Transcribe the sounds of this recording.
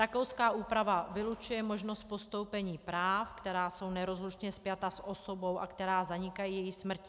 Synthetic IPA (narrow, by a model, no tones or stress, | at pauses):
ɾako̞wskaːʔuːpɾavavɪlut͡ʃujɛmo̞ʒnost̪̚po̞st̪o̞wpɛɲiːpɾaːfkt̪ɛɾaːso̞wnɛɾo̞zluʃɲɛspjat̪asʔo̞so̞bo̞wʔa̰kt̪ɛɾaːzaɲɪkajiːjɛjɪxsmr̩cɪ